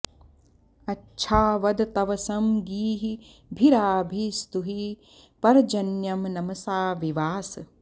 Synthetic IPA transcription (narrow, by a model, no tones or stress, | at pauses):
ɐtːʃʰaːʋɐd̪t̪ɐʋɐsɐmɡiːɦi | bʱiɾaːbʱist̪uɦi | pɐɾd͡ʒɐnjɐmnɐmɐsaːʋiʋaːs